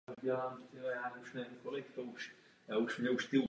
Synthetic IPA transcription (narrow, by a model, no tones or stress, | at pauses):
ɟɛlaːmt̪ɪbajaːnɛuʃnɛvɪmkolɪkt̪ouʃ | jaːuʃmɲɛuʃt̪il